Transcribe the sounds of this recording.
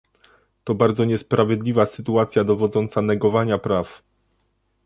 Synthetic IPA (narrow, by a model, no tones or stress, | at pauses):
t̪ɔbaɾd̪zɔɲɛspɾavʲjɛd̪lʲivasɘt̪uat̪sʲjad̪ɔvɔd̪zɔnt̪sanɛɡɔvaɲapɾaf